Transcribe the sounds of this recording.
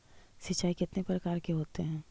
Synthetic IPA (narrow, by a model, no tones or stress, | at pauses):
sit͡ʃːaːikɪt̪nepɾəkaːɾkeɦoːt̪eɦɛ̃ː